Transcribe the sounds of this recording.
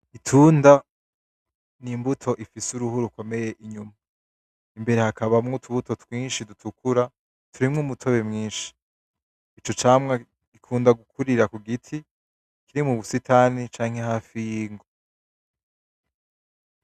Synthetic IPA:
itʰuːnda | nimbutʰo̞ʔifisuɾuhuɾuko̞me̞je̞ʔiɲuma | imbe̞ɾe̞hakaβamŋotʰuβuto̞twiːnʃidutʰukuɾa | tʰuɾimŋuːmutʰo̞βe̞mŋiːnʃi̥ | it͡ʃo̞t͡ʃaːmŋa | ɡ̥ikʰuːndaɡukʰuɾiɾakuɡitʰi | kiɾimuβusitʰanit͡ʃaːŋ̥he̞haːfijiːŋɡo

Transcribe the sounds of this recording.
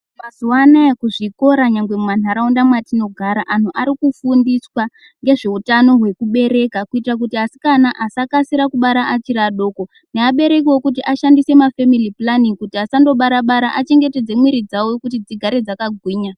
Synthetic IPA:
mazuwanaekuʐiko̞ɾaɲaŋɡwe̞mwan̤aɾaundamwatino̞ɡʱaɾaʔan̤uʔaɾikufundiswa | ŋɡe̞ʐe̞utano̞ɦwe̞kuɓe̞ɾe̞kakuitirak̬utiasi̥kanaʔasakasiɾakuɓaɾaʔat͡ʃiɾaɗo̞ːko̞ | neaɓe̞ɾe̞k̬iwo̞kut̬iʔaʃandise̞mafemiliplaniŋkutiasando̞ɓaɾaɓaɾaʔat͡ʃe̞ŋɡe̞te̞d͡ze̞mwiɾid͡zawokut̬id͡ziɡʱaɾed͡zakaɡʱwiːɲa

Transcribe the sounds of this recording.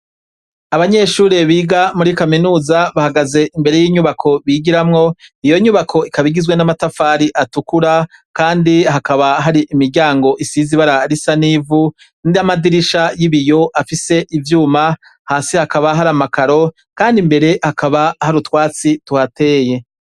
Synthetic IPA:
aβaɲe̞ːʃuːɾe̞βiːɡamuɾikaminuːzaβahaɡaze̞ʔimbe̞ɾe̞jiːɲuβakʰo̞βiɡiɾamŋo̞ijo̞ɲuβakʰo̞ikaβiɡizɡwenamatafaɾiʔatukuɾakaːndiɦakaβaɦaɾiʔimiɾɟaːŋɡo̞ʔisiziβaɾaɾisanivu | nijamadiɾiʃajiβijo̞ʔafise̞ʔivjuːma | haːsihakaβaɦaɾamakaɾo̞ | kaːndimbe̞ɾe̞hakaβahaɾutwaːt͡situate̞ːje̞

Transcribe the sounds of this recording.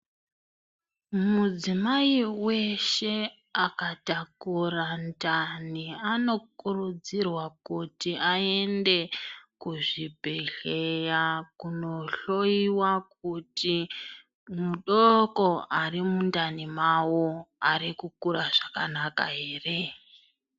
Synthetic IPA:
mud͡zimaiwe̞ʃe̞ | akatakurantaniano̞kurud͡zirwakutiae̞nde̞kuʐibʱeɬe̞jakuno̞ɬo̞iwak̚uti | muɗoko̞ʔarimundanimawoaɾikukuraʐaka̰naka̰ɦe̞ːre̞

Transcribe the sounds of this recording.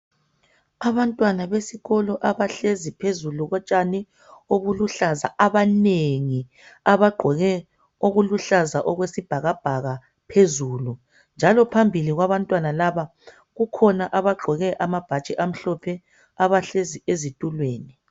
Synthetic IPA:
aβantʼwanaβesiɣɔlɔʔaβaɬezipʰezuluɣɔt͡ʃʼani | oβuluɬaza̰aβaneŋi | aβaɡ͡ǃʱɔɣɛ | oɣuluɬazaʔɔɣwesib̥ʱaɣab̥ʱaɣa | pʰezuːlu | nd͡ʒʱalɔpʰambʱiliɣwaβantʼwanalaβa | ɣukʰɔnaʔaβaɡ͡ǃʱɔɣɛʔamab̥ʱat͡ʃʼiʔam̩ɬɔpʰɛ | aβaɬeziezitʼulweːni

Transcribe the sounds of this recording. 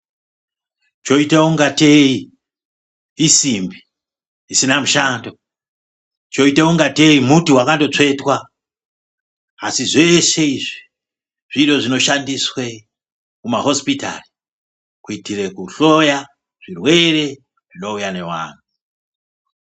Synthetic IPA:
t͡ʃo̞itauŋɡatei | isimbi | isinamuʃaːndo | t͡ʃo̞itauŋɡate̞imutiwakando̞t͡ʂe̞twa | siʐe̞se̞iʐi | ʐ̥iro̞ʐino̞ʃandiswe | kumaɦo̞spita̰ri | kuitire̞kuɬo̞ja | ʐ̥irwe̞re̞ | ʐino̞ujane̞wa̰ːn̤u

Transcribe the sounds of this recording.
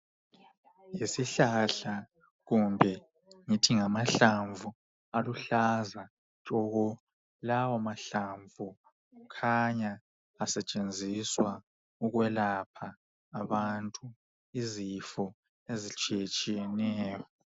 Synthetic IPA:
jisiɬaɬa | ɣumbʱɛ | ŋitʰiŋamaɬaɱvu | aluɬaza | t͡ʃʼɔɣɔ | lawamaɬaɱvu | ukʰaɲaː | sɛt͡ʃʼend͡zʱiswa | uɣwɛlapʰaː | βantʼu | izifɔ | ezit͡ʃʼiet͡ʃʼijɛnɛːjɔ

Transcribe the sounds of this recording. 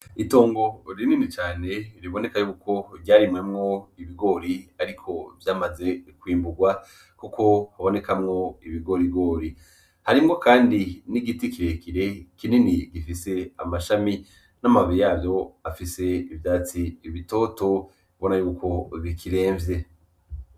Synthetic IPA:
ito̞ːŋɡo̞ɾininit͡ʃaːne̞ɾiβo̞ne̞kajuːko̞ɾɟaːɾimŋemŋo̞iβiɡo̞ːɾiaɾikʰo̞vjaːmaze̞kwiːmbuɡwa | kuko̞haβo̞ne̞kamŋo̞iβiɡo̞ɾiɡo̞ːɾi | haɾimŋo̞kaːndiniɡitikiɾe̞kiɾe̞kininiɡifise̞a̰maʃami | namavijaːvjo̞afise̞ivjaːt͡siːβito̞ːto̞ | iβo̞najuːko̞βikʰiɾe̞ːɱvje̞

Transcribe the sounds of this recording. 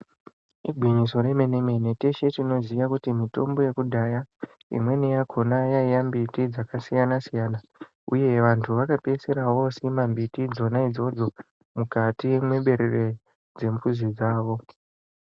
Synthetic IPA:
iɡʱwiɲiso̞ɾe̞me̞neme̞ne̞te̞ʃe̞tino̞zijakutimito̞̰mbo̞je̞kudʱaja | ḭmwe̞nejaɡʰʱo̞najaijambitid͡zakasijanasijaːna | ṵje̞ʋantʰuʋakape̞seɾawo̞simambitid͡zo̞naid͡zo̞d͡zo̞ | mukatiemwe̞ɓe̞ɾere̞ | d͡ze̞mpuzid͡zaːʋo̞

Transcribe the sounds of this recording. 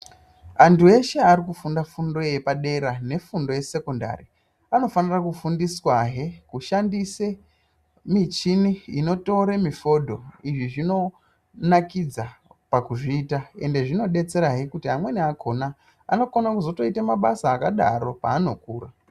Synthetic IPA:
antʰue̞ʃe̞aɾikufundafundo̞je̞paɗe̞ɾane̞fundo̞je̞se̞ko̞nda̰ri | ano̞fanirakufundiswaɦe̞kuʃandise | mit͡ʃiniino̞to̞ɾemifo̞dʱo̞iʐiʐino̞ | nakid͡zapakuʐiːtae̞nde̞ʐino̞ɗe̞t͡se̞ɾaɦekutiɦamwe̞niakʰo̞na̰ː | no̞konakuzo̞to̞itemaɓasaːkaɗa̰ɾo̞paːno̞̰kuːra

